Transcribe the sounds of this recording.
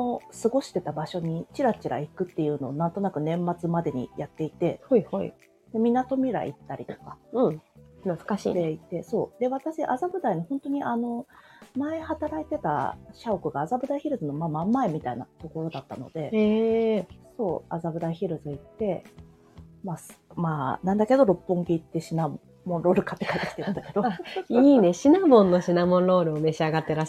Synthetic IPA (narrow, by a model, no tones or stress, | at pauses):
osɨɡo̞ɕi̥t̪e̞t̪abaɕo̞ɲ̟it͡ɕiɾat͡ɕiɾa̰ikɯ̟t̪ːe̞jɯ̟ːno̞ːnãnt̪o̞nakɯ̟nẽ̞mːat͡sɨmad̪e̞ɲ̟ḭjat̪ːe̞it̪e̞haihai | d̪e̞mʲinat̪o̞mʲiɾa̰ḭt̪ːaɾʲit̪o̞̥kaɯ̃nat͡sɨ̥kaɕḭːd̪eit̪ːe̞so̞ːd̪e̞βat̪aɕiʔazabɯ̟d̪ainohõ̞nt̪o̞ɲ̟iʔano̞maehat̪aɾait̪e̞t̪a̰ɕaokɯ̟ɡaːzabɯ̟d̪aiçiɾɯ̟zɨno̞mamãmːae̞mʲit̪aḭna̰t̪o̞ko̞ɾo̞d̪at̪ːano̞̰d̪e̞e | so̞ːazabɯ̟d̪aiçiɾɯ̟zɨit̪ːe̞ | masmaːnãnd̪ake̞d̪o̞ɾo̞pːõŋɡʲiːt̪ːe̞ɕina | mõ̞nɾo̞ːɾɯ̟kḁt̪ːe̞kait̪ḁkʲi̥ejt̪ake̞d̪o̞iːne̞ɕinamõ̞nːo̞ɕinamõ̞nɾo̞ːɾɯ̟ome̞ɕiaɡat̪ːe̞ɾa